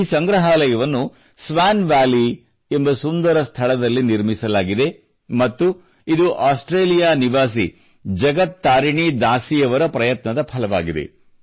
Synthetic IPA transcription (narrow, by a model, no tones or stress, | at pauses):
sɐŋɡɾɐɦaːlɐjɐʋɐnːu | sʋaːnʋaːli | e̞mbɐsund̪ɐɾɐst̪ʰɐɭɐd̪ɐlːiniɾmisɐlaːɡid̪e̞ | mɐt̪ːu | id̪uʔaːsʈɾeːlijaːniʋaːs̬i | d͡ʒɐɡɐt̪ːaːɾiɳid̪aːsijɐʋɐɾɐpɾɐjɐt̪nɐd̪ɐpʰɐlɐʋaːɡid̪e̞̰